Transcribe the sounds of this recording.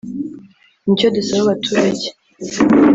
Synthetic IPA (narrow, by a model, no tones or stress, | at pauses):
nicodusaβaβatʰuːɾaɟe